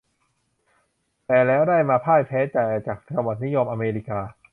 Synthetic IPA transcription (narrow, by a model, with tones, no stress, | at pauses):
t̪ɛː˨˩lɛː˦˥wdaː˥˩jmaː˧pʰaː˥˩jpʰɛː˦˥t͡ɕaː˨˩ja˧˩t͡ɕaː˨˩k̚t͡ɕa˧ŋwa˨˩t̪̚ni˦˥jo˧mʔa˧meː˧li˦˥kaː˧